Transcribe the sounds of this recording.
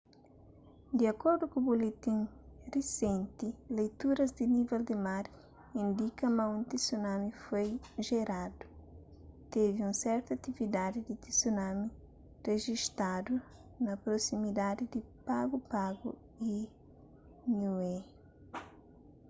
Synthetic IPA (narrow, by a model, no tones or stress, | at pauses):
d̪iɐkoɾd̪ukubolet̪ĩn | risẽnt̪ilejt̪uɾɐzd̪inivɛld̪ɪmaɾ | ĩnd̪ikɐmɐ̃ũnt̪isunamifojʒeɾad̪u̥ | t̪eviũnsɛɾt̪ɐɐt̪ivid̪ad̪id̪it̪isunami | reʒiʃt̪ad̪u | nɐpɾosimid̪ad̪id̪ipaɡupaɡu | i | nue